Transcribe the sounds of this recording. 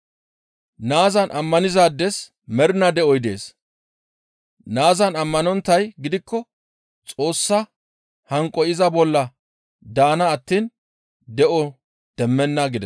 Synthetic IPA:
naːzɐnʔɐmːɐnɪzaːd̪ːɛs | mɛɾnɐd̪ɛʔɔjd̪e̞̰ːs | naːzɐnɐmːɐnɔnt̪ːɐjɡɪd̪ɪkːɔ | t͡sʼo̞ːsːɐ | hɐŋkʼːɔjɪzɐbɔlːɐ | d̪aːnɐːt̪ːiːn | d̪ɛʔɔ | d̪̥ɛmːɛnːɐɡɪd̪ɛ

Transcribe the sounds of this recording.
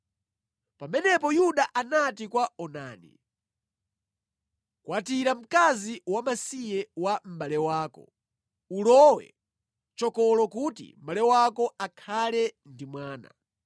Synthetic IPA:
pamɛnɛpɔjuɗaʔanatikwaɔna̰ːnḭ | kwatiɾam̩kaziwamasijɛwam̩ɓalɛwaːkɔ̰ | ulɔwɛ̰ | t͡ʃɔkɔlɔkutḭm̩balɛwakɔakʰalɛndimwaːna̰

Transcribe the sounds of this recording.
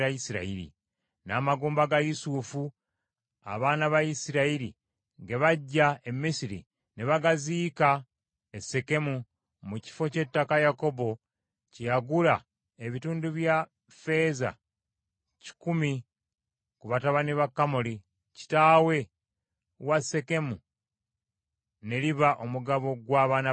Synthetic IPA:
aisiɾa̰iɾḭ | naːmaɡuːmbaɡajusufu | a̰βaːnaβajisiɾaiɾḭ | ŋɡe̞βaɟːaemːisiɾḭ | neβaɡaziːka | ese̞ke̞mu | muci̥fo̞ce̞tːakajako̞bo̞ | cijaɡula | eβituːnduβja | fe̞ːza̰ | ci̥kumi | kuβataβaniβakːamoli | ci̥taːwe̞ | wase̞ke̞mu | ne̞liβaʔo̞muɡaβo̞ɡwaːβaːna

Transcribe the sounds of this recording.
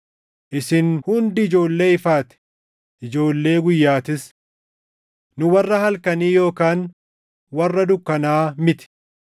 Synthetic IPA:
ʔɪsɪnhʊnd̪ɪɪd͡ʒo̞ːlːe̞ːɪfaːt̪ɛ̥ | ʔɪd͡ʒo̞ːlːe̞ːɡʊjːaːt̪ɪs | nʊwɐrːɐhɐlkɐniːjo̞ːkaːn | wɐrːɐd̪ʊkːɐnaːmɪt̪ɪ̥

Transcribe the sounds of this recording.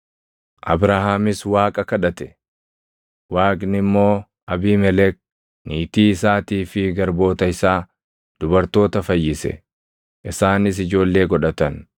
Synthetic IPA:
ʔɐ̰bɾaɦaːmɪswaːkʼɐkɐᶑɐt̪ɛ̥ | waːkʼnɪmːo̞ː | ʔɐbiːmɛlɛk̚ | niːt̪iːɪsaːt̪iːfɪɡɐɾbo̞ːt̪ɐɪsaː | d̪̥ʊbɐɾt̪o̞ːt̪ɐfɐjːɪsɛ̰ | ʔɪsaːnɪs̬ɪd͡ʒo̞ːlːe̞ːɡɔᶑɐt̪ɐn

